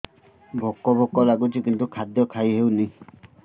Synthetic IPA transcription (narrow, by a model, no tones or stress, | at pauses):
bʱɔkːɔbɔkɔlaɡut͡ʃʰikint̪ukʰad̪jɔkʰajɦewni